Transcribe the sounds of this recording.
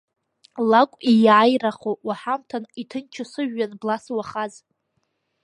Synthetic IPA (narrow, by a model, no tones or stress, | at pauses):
lakʷʼijaːjraχowaħamtʰanitʰɨnt͡ʃʰɪsɨʒᶣːanblaswaχaz